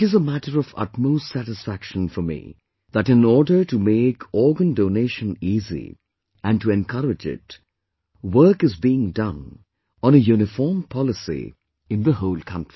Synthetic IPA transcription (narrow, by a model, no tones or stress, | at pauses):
ɨzəmæʈəɾʌvʌ̰tmoʊstsæɾɨsfækʃə̃nfɔmḭ | ðæʈɪ̃nɔːɖə˞ʈumeːkʰɔɹɡə̃ndoneɪʃə̃niːzḭ | æ̃nɖtuɛ̃nkʰʌɾɪd͡ʒɪ̰t | wɜ˞kɨzbiɪ̃ŋdʌ̃n | ə̃nəjuːnɨfɔːɹmpʰɑlɨsḭ | ɨ̃nðəɦoʊlˠkʰʌ̃ntɹ̥i